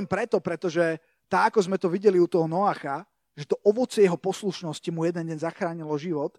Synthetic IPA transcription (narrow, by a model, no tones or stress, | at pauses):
mpɾɛt̪ɔpɾɛt̪ɔʒɛ | t̪aakɔzmɛt̪ɔʋiɟɛliut̪ɔɦɔnɔaːxa | ʒɛt̪ɔʔɔʋɔt͡sjɛɦɔpɔsluʃnɔscimujɛd̪ɛnɟɛɲzaxɾaːɲilɔʒiʋɔt̪